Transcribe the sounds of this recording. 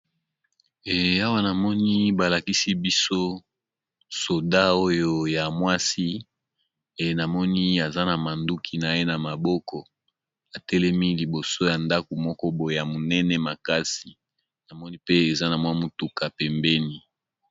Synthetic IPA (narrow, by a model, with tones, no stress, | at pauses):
ɛ˨a˦wa˦na˨mɔ˦ni˦ba˨la˨ki˦si˦bi˦so˦ | so˨da˦o˦jo˦ja˨mwa˦si˦ | e˨na˨mɔ˦ni˦a˨za˦na˨ma˨ndu˦kʰi˨˦na˨je˦na˨ma˨bɔ˦kɔ˨ | a˨tɛ˦lɛ˦mi˦li˨bo˨so˦ja˨nda˦ko˨mɔ˦kɔ˦bo˨e˨a˨mo˨nɛ˦nɛ˦ma˨ka˦si˨ | na˨mɔ˦ni˦pe˦e˨za˦na˨mwa˦mu˨tu˨ka˨pɛ˨mbɛ˦ni˦